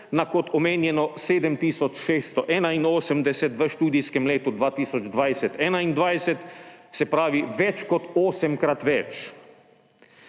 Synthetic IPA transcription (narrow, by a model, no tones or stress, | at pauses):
nakɔt̪ɔmeːnjɛnɔseːd̪əmt̪iːsɔt͡ʃʃeːst̪ɔʔɛːnainoːsəmd̪ɛsɛt̪ʋəʃt̪uːd̪ijskɛmleːt̪ud̪ʋaːt̪iːsɔd͡ʒd̪ʋajsɛt̪ɛːnaind̪ʋajsɛt̪sɛpɾaːʋiʋɛt͡ʃkɔt̪oːsɛmkɾat̪ʋɛt͡ʃ